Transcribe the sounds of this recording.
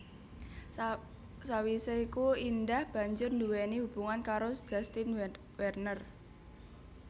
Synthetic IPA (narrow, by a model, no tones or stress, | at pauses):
sawiseikuind̪ahb̥ä̤ɲd͡ʒʊrnd̪uwenihub̥uŋankaɾosd͡ʒ̥a̤st̪in | wɛrnər